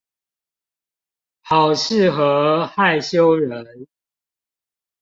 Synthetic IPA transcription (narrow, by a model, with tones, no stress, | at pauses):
hɑ˨˩ʊʂɻ̩˥˨xɤ˨˦xa˥˨ɪɕjo˦ʊɻə˨˦n